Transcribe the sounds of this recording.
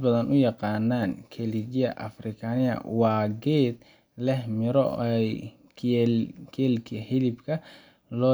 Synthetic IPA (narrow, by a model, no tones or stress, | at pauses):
bɐðɐnʔʊjɑqɑːnːaːnkʰɛliɡjɐʔɐfrɪkʰanɪɐ̰wɑːɡɛːd̪ | lɛhmɪɾɔ̰j | kʰɛlkʰihɪlɪbkʰɐ | lɔː